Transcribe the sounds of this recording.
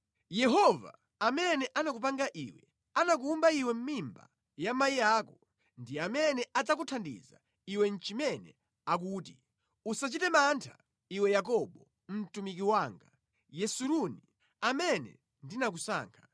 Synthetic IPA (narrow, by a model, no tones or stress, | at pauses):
jɛɦɔva̰ | amɛnɛʔanak̬up̬aŋɡaʔḭwɛ̰ | anak̬uːmbaiwɛm̩mimba̰ | jamaiaːkɔ | ndiamɛnɛad͡zakutʰandḭza̰ | iwɛn̩t͡ʃimɛnɛ̰ | ak̬uːti | usat͡ʃitɛmantʰa̰ | iwɛjak̬ɔɓɔ | m̩tumikiwaːŋɡa | jɛsuɾuni | amɛnɛ̰ | ndinak̬usa̰ːŋkʰḁ